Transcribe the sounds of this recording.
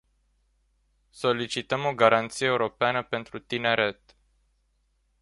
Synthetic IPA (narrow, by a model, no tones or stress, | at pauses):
so̞lit͡ʃit̪əmo̞ɡaɾant̪sijeuɾo̞peanəpe̞nt̪ɾut̪ine̞ɾe̞t̪